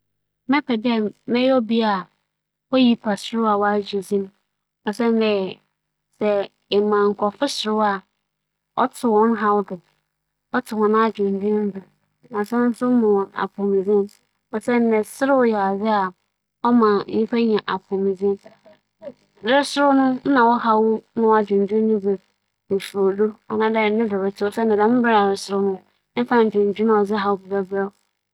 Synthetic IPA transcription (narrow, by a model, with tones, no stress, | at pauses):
mɛ̃˦pʰɛ˨dɛ˦˨mɛ̃˦jɔ˦bi˦a˨ | ɔ˦ji˦pʰa˨sʊ˦ɾʊ˦a˨wɔ˦a˦d͡ʑi˨zĩ˦m̃˦ | ɔ˨sɛ˦n˦dɛ˨ | sɛ˨ | ɪ˨mã˨ŋ̩˨kʰɔ˨fɪ˦sʊ˨ɾʊ˦a˨ | ɔ̰˦tʰɪ˨wɔ̃˦n˦ɦa˦wdʊ˨ | ɔ˦tʰɪ˨hɔ̃˨n˦a˦d͡ʑᶣʊ˨n˨dĩ˦n̩˦dʊ˨ | ã˨sɛ̃˦n̩˦sʊ˦mʊ̃˨ɔ̃˨na̰˨kʰʊ̃˨mĩ˨zɪ̃˦m | ɔ˨sɛ˦n˦nɛ̃˨sɪ˦ɾɪ˦wjɛ˨a˨d͡zɪ˦a˨ | ɔ˦mã˨˦ĩ˦fa˦ɲã˨ʔa˨kʰʊ̃˨mĩ˨zɪ̃˦n | dɪ˦sʊ˦ɾʊ˦nʊ̃˦n̩˦nã˨wɔ˦ha˦wʊ˦nʊ̃˦a˨d͡ʑᶣʊ̃˨n˨dᶣũ˦nʊ̃˦bɛ˨ | o˨fu˨o˨do˦ɔ˨nã˦dɛ˦˨nɪ̃˦dɪ˨ɾɪ˨tʰɪ˦wɔ˨sɛ˦nː˨ɪ̃˨dã˨˦mʊ̃˦bɪ˦ɾa˨ɾɪ˨sʊ˨ɾʊ˦nʊ̃˦ | m̩˦fã˦n̩˨d͡ʑᶣʊ̃˨n˨d͡ʑᶣu˦n˦ɔ˨d͡zɪ˦ɦa˦wʊ˦bi˨ba˦ba˦